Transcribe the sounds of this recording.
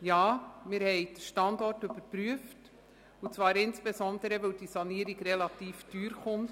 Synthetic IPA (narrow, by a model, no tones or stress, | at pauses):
jɑːmɪɾhɛɪd̥əʃtɑndɔrtøb̥əɾpɾyəft | ut͡svɑːɾɪnsb̥esɔndəɾəʋœwd̥isɑniəɾiɡrelɑtiːfd̥yːɾχʊn